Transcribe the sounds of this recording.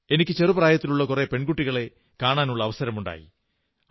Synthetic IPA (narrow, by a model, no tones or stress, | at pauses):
e̞nikʲːɨt͡ɕerupraːjɐt̪ːiluɭːɐkure̞ːpe̞ɳɡuʈːiɣɐɭe̞ | kaːɳaːnuɭːɐːʋɐsɐɾɐmuɳɖa̰ːjḭ